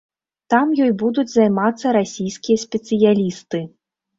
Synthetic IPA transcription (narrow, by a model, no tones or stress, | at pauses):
t̪amjɔjbud̪ud͡zʲzajmat̪sːɐɾasʲijskʲijɐsʲpʲɛt̪sɨjalʲist̪ɨ